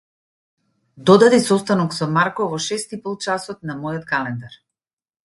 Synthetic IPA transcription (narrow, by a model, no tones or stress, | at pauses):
d̪ɔd̪ad̪isɔst̪anɔksɔmaɾkɔvɔʃɛst̪ipɔlˠt͡ʃasɔt̪̚namɔjɔt̪̚kalɛnd̪aɾ